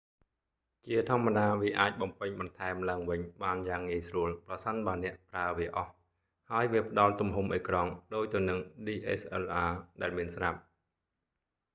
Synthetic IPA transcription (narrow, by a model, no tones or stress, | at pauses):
t͡ɕiət̪ʰŏəmːaɗaːʋiəʔaːc̚ɓɑmpɨɲɓɑnt̪ʰaɛmlaəŋʋɨɲɓaːnjaːŋːiəjsruəlprɑsənɓaənɛ̆əʔpraəʋiəʔɑh | haəjʋiəpə̆ɗɑlt̪umɦumʔəjkrɑŋɗoːc̚t̪ɨ̆ənɨŋɗiːʔesʔɛlʔaːɗaɛlmiənsrap̚